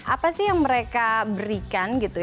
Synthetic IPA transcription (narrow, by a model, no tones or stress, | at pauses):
ʔapasɪhjaŋməɾekabəɾikanɡit̪uj